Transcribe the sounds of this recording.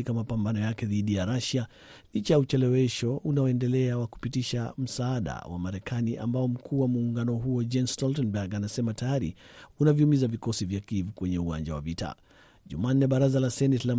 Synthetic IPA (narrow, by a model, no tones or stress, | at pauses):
ikamapambanɔjakɛðiɗijaɾaʃa | lit͡ʃajaut͡ʃɛlɛwɛʃɔʔunaɔɛndɛlɛawaku̥pitiʃam̩saːɗa̰wa̰maɾɛkaniʔa̰mbaɔm̩kʰuːwamuːŋɡanɔɦuɔd͡ʒɛnstɔltɔnbɛɡanasɛmatajaɾḭunaviumizavikɔsivjakivukwɛɲɛuwa̰nd͡ʒa̰wa̰vita̰ | ʄumaːnːɛɓaɾazalasɛnɛtla